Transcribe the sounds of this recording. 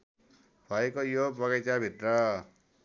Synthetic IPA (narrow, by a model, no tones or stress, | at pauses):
bʱʌekojobʌɣajt͡sabʱit̪rʌ